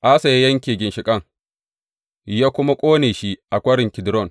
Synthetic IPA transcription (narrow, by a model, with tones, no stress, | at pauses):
ʔa˦sɐ˨ja˦jɐ˦ŋkʲeː˨ɡʲɪ˨nʃɪ˨kʼɐ˦˨ŋ | jaː˦kʷʊ˦ma˦kʷʼoː˦neː˨ʃi˦ʔa˨kʷʼɐ˦ɽɪ˨ŋkʲɪ˨dɾɔ˦˨n